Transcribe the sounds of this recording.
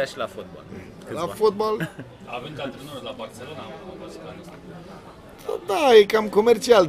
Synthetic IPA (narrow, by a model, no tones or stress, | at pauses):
aʃilafot̪̚bo̰l | lafot̪̚bol | aveŋkat̪ɾenunlabart̪selonaobaskanes | d̪ajekamkomert͡ʃiald̪